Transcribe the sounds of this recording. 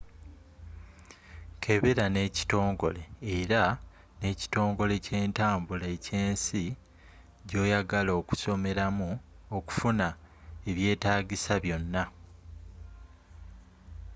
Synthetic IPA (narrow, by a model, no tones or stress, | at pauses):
kʰe̞βeɾane̞ci̥to̞ːŋɡo̞̰le̞ːɾa | ne̞ːci̥to̞ːŋɡo̞le̞ce̞ːntaːmbulaece̞ːnsi | ɟo̞ːjaɡaloːku̥so̞me̞ɾamuoku̥funa | e̞βje̞ːtaːɟisaβjo̞nːa